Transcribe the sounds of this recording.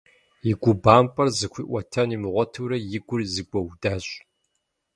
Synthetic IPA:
iɡʷʊbaːmpʼɐrzɨkʷḭːʔʷɐtʰɐnimɨʁʷɔtʰɨwɾɐjɪɡʷʊrzɨɡʷʼɐwdaːɕʼ

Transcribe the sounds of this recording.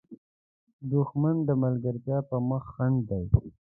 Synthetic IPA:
d̪uxmand̪əmalɡəɾzjɑpəməxːand̪d̪aj

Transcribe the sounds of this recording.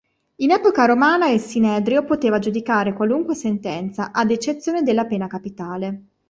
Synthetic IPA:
inɛːpokaɾomaːnaesinɛːd̪ɾiopot̪eːvad͡ʒud̪ikaːɾekwaluŋkwesent̪ɛnt̪saʔad̪et͡ʃet̪sːjoːned̪elːapeːnakapit̪aːle

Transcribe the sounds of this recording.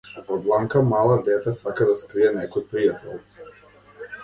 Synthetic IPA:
pɔd̪lˠaŋkamalˠad̪ɛt̪ɛsakad̪askɾiɛnɛkɔjpɾijat̪ɛ̰lˠ

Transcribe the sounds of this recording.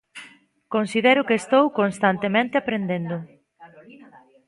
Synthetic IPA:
konsiðɛɾʊkeːst̪owkonst̪ant̪emẽnt̪eapɾend̪end̪ʊ

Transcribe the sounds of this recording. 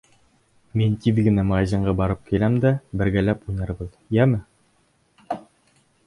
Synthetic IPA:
mint̪iðɡɘ̆næmɑɑʑɤ̆ɴɢɑbɒɾɤp̚kilæmd̪æbɘ̆ɾɡælæpujnɑɾbɤð | jæmɘ

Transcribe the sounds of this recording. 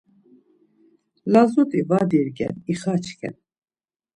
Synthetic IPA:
lazut̪ʼivad̪iɾɡɛ̰niχat͡ʃʰkʰɛ̰n

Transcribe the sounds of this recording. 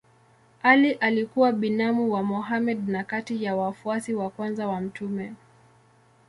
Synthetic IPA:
aliʔalikuwaɓinamuwamɔɦamɛd̚nakatijawafuasiwakwanzawam̩tʰumɛ

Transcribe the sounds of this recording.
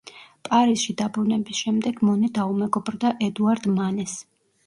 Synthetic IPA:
pʼaɾisʃid̪abɾunɛbisʃɛmd̪ɛɡmɔnid̪aumɛɡɔbɾd̪aʔɛd̪uaɾd̪manɛs

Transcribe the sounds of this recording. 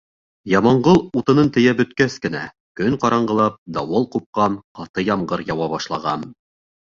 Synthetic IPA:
jɑmɑɴɢɤlˠut̪ɤ̆nɤnt̪ɘ̆jæbɵ̆t̪kæskɘ̆næ̰ | kɵŋqɑɾɑɴɢɤ̆lˠɑp̚d̪ɑwɤlˠqup̚qɑnqɑt̪ɤjɑmɢɤɾjɑwɑβɑʃlˠɑʁɑn

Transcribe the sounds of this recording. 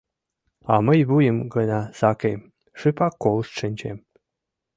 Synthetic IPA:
ɑməjβujəmɡənɑsɑkem | ʃɨpɑkolst̪ʃɨnʲt͡ɕḛm

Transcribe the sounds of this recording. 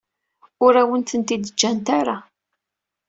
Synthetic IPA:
ʊɾæwənt̪ənt̪id̪əd͡ʒːænt̪aɾa

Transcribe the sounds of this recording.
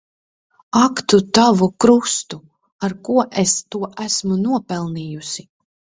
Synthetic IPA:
akt̪ut̪avukɾust̪u | aɾkuɔʔest̪uɔʔæsmunuɔpɛlˠniːjusi

